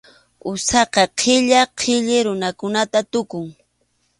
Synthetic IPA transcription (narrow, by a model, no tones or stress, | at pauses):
ʊsɑqɑqʰɪʎaqʰɪʎɪɾʊnakʊnat̪at̪ʊkʊŋ